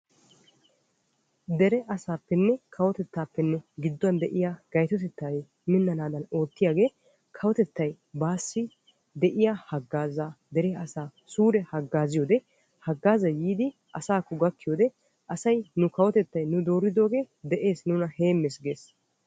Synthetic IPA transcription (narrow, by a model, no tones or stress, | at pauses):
d̪ɛɾɛʔɐsaːpːɛnːɛkʰɐwɔt̪ɛt̪ːaːpːɛnːɛɡɪd̪ːʊɐnd̪ɛʔɪjaːɡ̥ɐjt̪ɔt̪ɛt̪ːaj | mɪnːɐnaːd̪ɐno̞ːt̪ːɪjaːɡe̞ː | kʰɐwɔt̪ɛt̪ːɐj | baːsːɪ | d̪ɛʔɪjahɐɡːaːzaːd̪ɛɾɛɐsaː | suːɾɛhɐɡːaːzɪjoːd̪ɛ | hɐɡːaːzɐjiːd̪ɪ | ʔɐsaːkːɔɡɐkːɪjoːd̪ɛ | ʔɐsɐjnʊkɐwɔt̪ɛt̪ːɐjnʊd̪o̞ːɾɪd̪o̞ːɡe̞ː | d̪ɛʔe̞ːsnʊnɐhe̞ːmːeːsɡe̞ːs